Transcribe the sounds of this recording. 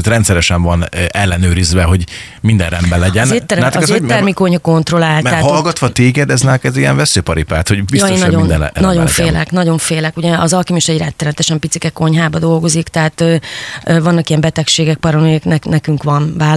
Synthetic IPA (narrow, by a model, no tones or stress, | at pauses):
t̪rɾɛnt̪sɛɾɛʃɛɱvɒnʔɛlːɛnøːɾizʋɛɦo̞ɟ | mind̪ɛ̰nrɛmbɛlːɛɟɛnːt̪ːɛɾɛt̪ɛk̪ːɛrmiko̞ɲhɒko̞nt̪ro̞laːlt̪aɦːlɡɒt̪ʋɒt̪eːɡɛd̪ɛznɛkɛziɛ̰ɱvɛsøːpɒɾipa̰ːt̪ho̞ɟbijst̪ːeoːnːɒɟond̪ɛn̰nɒɟo̞nfeːlɛ̰knɒɟo̞ɱfeːlɛkuɟɛɒzɒlkimiʃɛɟɾɛt̪ːɛɾɛmɛt̪ɛʃɛmpit̪sikɛkːo̞ɲɦaːbɒd̪o̞lɡo̞zikt̪ɛɦaːt̪ːvɒnːɒkijɛmbɛt̪ɛkʃeːɡɛk̚pɒɾɒmiɛknɛknɛkyŋkʋɒnvaː